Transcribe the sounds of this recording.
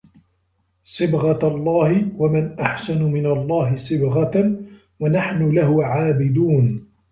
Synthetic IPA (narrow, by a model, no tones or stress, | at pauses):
sˤɨbɣɑlˤːɑːhɪwamanʔaħsanʊmɪnalˤːɑːɦɪsˤɨbɣɑ | wanaħnʊlahʊʕaːbɪd̪uːn